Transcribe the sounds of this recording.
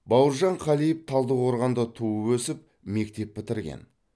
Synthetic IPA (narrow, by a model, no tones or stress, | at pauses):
bɑwəɾʒɑɴqʰɑlijəp̚t̪ʰɑlˠd̪əqʰoɾʁɑnd̪ət̪ʰuəwɵsɪp̚ | me̞kt̪e̞p̚ːɪt̪ɪɾɡʲḛn